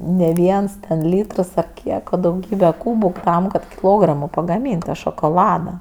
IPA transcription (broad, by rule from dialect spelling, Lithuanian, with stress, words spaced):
nʲɛ ˈʋʲiɛns tʲɛn ˈlʲiːtrs ɐr ˈkʲiɛk oː dɐʊˈɡʲiːbʲɛ ˈkuːbʊ tɐm kɐt kʲɪˈlˠoːɡrɐmoː pɐɡɐˈmʲiːnʲtʲ tɐ ʃoːkoːˈlˠɑːdɐ